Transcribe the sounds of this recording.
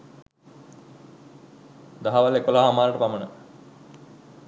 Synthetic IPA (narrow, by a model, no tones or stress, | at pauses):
d̪aɦaʋalekolaːɦamaːləʈəpamənə